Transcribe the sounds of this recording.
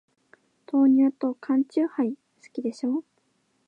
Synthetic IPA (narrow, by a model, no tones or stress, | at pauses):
t̪o̞ːɲ̟ɨːt̪o̞kʰãɲ̟t͡ɕɨːhai | sɨ̥kʲid̪e̞ɕo̞ː